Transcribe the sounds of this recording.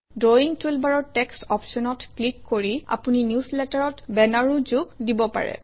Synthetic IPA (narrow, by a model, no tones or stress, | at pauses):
doiŋtʰulbaɹɔɹtɛkstɔpsɔnɔtklikːoɹia̰puninjuslɛtaɹɔtbɛnaɹuzuɡdibɔpa̰ɹɛ̰